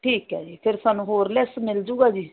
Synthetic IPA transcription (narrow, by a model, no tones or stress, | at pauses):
ʈʰiːkɦɛ̰ːd͡ʒiːpʰɪɾsaːnũɦoːɾlesmɪld͡ʒuːɡaːd͡ʒiː